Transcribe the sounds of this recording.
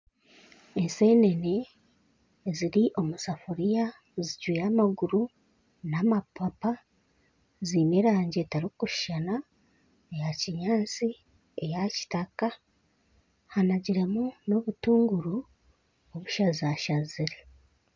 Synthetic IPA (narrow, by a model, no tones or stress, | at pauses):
ense̞ːne̞ne | ziɾiʔo̞musafuɾija | ziɟwijaːmaɡuɾu | namapapa | ziːme̞ːɾaːɲɟe̞taɾikuʃi̥ʃana | ejaciɲaːt͡si | ejaci̥taka | hanaɟiɾe̞muno̞βutuːŋɡuɾu | oβuʃazaʃaziɾe